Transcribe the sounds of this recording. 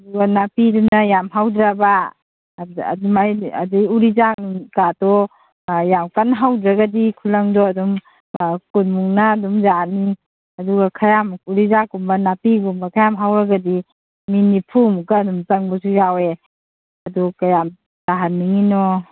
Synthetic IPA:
aduɡanapidumnajamɦawdɾaba | a̰dumajadijuɾizakukatɔ | jamkanɦawdɾaɡadikʰulaŋdɔadɔm | kunmuŋnaːdumzani | aduɡakʰajamuɾizakumbanapiɡumbakʰajamɦawɾaɡadi | minipʰumkaːdumtaŋbasujawe | adukajam | taɦanːiŋinɔ

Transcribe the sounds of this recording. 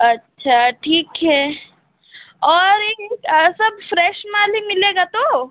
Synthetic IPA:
ɐtːʃʰaʈʰiːkɦɛː | ɔːɾeːeːksɐb̚fɾɛːʃmaːlimɪleːɡat̪o

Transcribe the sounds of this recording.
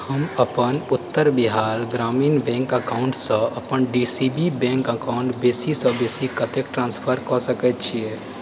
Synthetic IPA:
həməpənʊt̪ːəɾbɪɦaːɾɡɾaːmiːnbɛ̃ːŋkəkaːʊ̃ɳʈsə̃ɐpənɖisibibɛ̃ŋkəkaʊɳʈbeːsisəbeːsikət̪ek̚ʈɾãːnspʰəɾkɔsəkɛt̪̚t͡ʃʰiɛ

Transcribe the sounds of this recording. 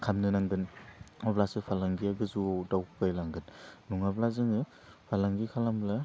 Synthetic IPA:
kʰamnɯnaŋɡɯnablasɯpʰalaŋɡiaɡɯzuadawkʰɯkajlaŋɡɯnnuŋablazɯŋɯ | pʰalaŋɡikʰalambla

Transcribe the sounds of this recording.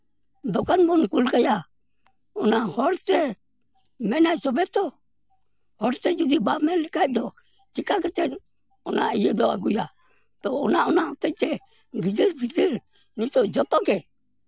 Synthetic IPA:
d̪ɔkanbɔnkulkaja | ɔnahɔɾt͡ʃɛ | mɛnajsɔbɛt̪ɔ | hɔɾsɛd͡ʒud͡ʒibamɛlɛkaj̚d̪ɔ | d͡ʒikaɡɛt͡ʃɛn | ɔna̰ijɛd̪ɔa̰ɡuja | t̪ɔːnaɔnahɔt̪ɛt͡ʃɛ | ɡid͡ʒiɾbid͡ʒiɾ | nisɔd͡ʒɔt̪ɔɡɛ

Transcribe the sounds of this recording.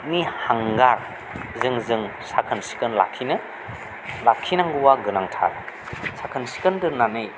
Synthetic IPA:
nihaŋɡaɾ | zɯŋzɯŋsakʰɯnsi̥kɯnla̰kʰːinɯ | lakʰːinaŋɡuwaɡɯnaŋtʰa̰ɾ | sakʰɯnsi̥kɯndɯɾnanɯj

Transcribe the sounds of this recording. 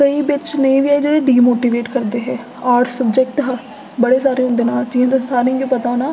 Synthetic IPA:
kəiːbɪt͡ʃnẽːʋiaːid͡ʒeːɽeɖiːmoːʈiːʋeːʈkəɾd̪eːɦɛː | aːɾʈsəbd͡ʒek̚ʈɦa | bəɽeːsaːɾeːɦʊ̃nd̪eːnaːld͡ʒĩãːt̪esaːɾẽɡiːpət̪aːnaː

